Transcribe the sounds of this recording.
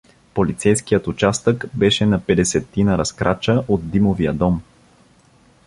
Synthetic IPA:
polit̪sɛjskijət̪ʊt͡ʃast̪əkbɛʃɛnɐpɛd̪ɛsɛt̪ːinəɾɐskɾʔat͡ʃəʔod̪̚d̪imovijəd̪ɔm

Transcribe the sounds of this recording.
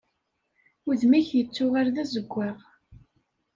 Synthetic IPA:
ʊðmiçjət͡sːʊʁaɾðæzəɡʷːæʁ

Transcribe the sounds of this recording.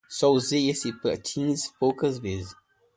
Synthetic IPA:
sɔuzejesipɐ̰t͡ʃʰĩnspowkɐzvezɪ

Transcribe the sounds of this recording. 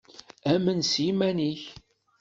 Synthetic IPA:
æmənsjimæniç

